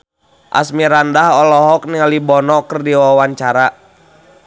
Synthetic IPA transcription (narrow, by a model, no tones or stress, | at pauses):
ʔa̰smiɾandaɦɔlɔɦɔk̚niŋalibɔnɔkərdiwawaɲt͡ʃaɾa